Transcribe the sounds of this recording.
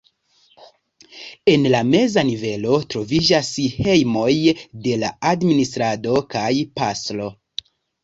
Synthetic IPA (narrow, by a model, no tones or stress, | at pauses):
e̞nlame̞zanive̞lo̞tɾo̞vid͡ʒashe̞jmo̞jde̞laadministɾado̞kajpaslo̞